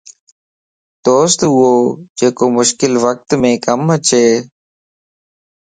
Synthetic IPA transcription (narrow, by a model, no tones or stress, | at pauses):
d̪̥oːst̪ʊɦoːd͡ʒeːkoːmʊʃkɪlʋək̚t̪mẽːkəmət͡ʃʰeː